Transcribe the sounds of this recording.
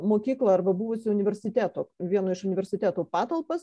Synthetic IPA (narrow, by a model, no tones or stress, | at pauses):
moːkʲiːklˠɑɐɾbɐbʊʋʊsʲɪʊnʲɪʋʲɛɾʲsʲɪt̪ʲæːt̪oːʋʲiɛnoːɪʃʊnʲɪʋʲɛɾʲsʲɪt̪ʲæːt̪oːpɑːt̪ɐlˠpɐs